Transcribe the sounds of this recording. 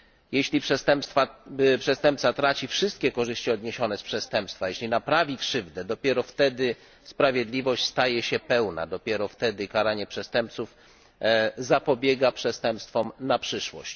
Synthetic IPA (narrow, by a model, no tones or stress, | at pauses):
jɛɕlʲipʂɛst̪ɛmpst̪fapʂɛst̪ɛmpt̪sat̪ɾat͡ɕifʂɘst̪kʲɛkɔʐɘɕt͡ɕiɔd̪ɲeɕɔnɛspʂɛst̪ɛmpst̪fajɛɕlʲinapɾavʲikʂɘvd̪ɛd̪ɔpʲjɛɾɔft̪ɛd̪ɘ | spɾavʲjɛd̪lʲivɔɕt͡ɕst̪ajɛɕɛpɛwna̰d̪ɔpʲjɛɾɔft̪ɛd̪ɘkaɾaɲɛpʂɛst̪ɛmp̚t̪suf | zapɔbʲjɛɡapʂɛst̪ɛmpst̪fɔmnapʂɘʂwɔ̰ɕt͡ɕ